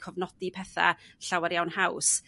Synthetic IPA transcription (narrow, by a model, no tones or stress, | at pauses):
kʰɔvnɔdipʰɛθa̰ɬawaɾjawnhaws